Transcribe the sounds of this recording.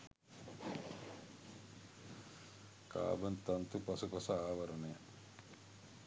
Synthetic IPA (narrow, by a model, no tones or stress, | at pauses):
ka̰ːbənt̪ɐnt̪upɐsupɐsɐaːʋɐɾəneja